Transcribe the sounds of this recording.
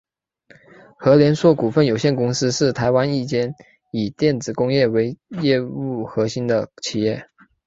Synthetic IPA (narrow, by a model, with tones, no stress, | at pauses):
xɤ˧˥ljɛ˧˥nswɔ˥˩ku˨˩fə˥˩njo˨˩ʊɕjɛ˥˩nkʊ˥ŋsɹ̩˥ʂɻ̩˥˩t̪ʰa˧˥ɪwa˥ni˥˩t͡ɕjɛ˥n | i˨˩t̪jɛ˥˩nt͡sɹ̩˨˩kʊ˥ŋjɛ˥˩we˧˥ɪjɛ˥˧u˥˩xɤ˧˥ɕi˥nd̪ə˨t͡ɕʰi˨˩jɛ˥˩